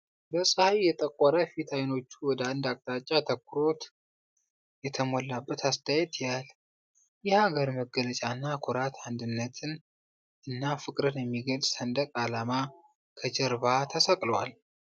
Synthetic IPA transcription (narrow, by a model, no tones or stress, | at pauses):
bəsʼəhajːɛt̪ʼəkʼːɔɾəfit̪ʰajno̞t͡ʃːuwɔd̪əand̪akʼt̪ʼat͡ʃʼːat̪ʰəkːʊɾo̞t̪ | jɛt̪ʰəmolːabːət̪ʰast̪ʰajɛt̪jal | jɪhaɡəɾməɡələt͡ʃʼanːakʰuɾat̪ʰand̪ɨnːət̪ʰɨn | ʔɨnːafɨkʼɾɨnjɛmːiɡəlʼsənd̪əkʼalama | kʰəd͡ʒəɾβat̪ʰəsəkʼlwal